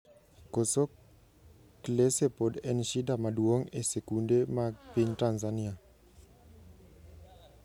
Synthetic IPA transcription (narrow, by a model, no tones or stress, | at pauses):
koso | klesepodɛnʃidamadwoŋesekundemaɡpiɲtanzania